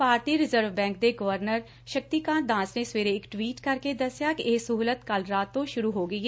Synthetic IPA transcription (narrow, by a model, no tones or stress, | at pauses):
paːɾt̪iːɾɪzəɾʋbɛ̃ːŋk̚d̪eːɡəʋəɾnəɾ | ʃək̚t̪iːkãːnd̪ãːsneːsʋeːɾeːɪkʈʋiːʈkəɾkeːd̪əsjaːkɪʔɪːsʊɦuːlət̪kəlɾaːt̪ːõːʃʊɾuːɦoːɡəiːɛ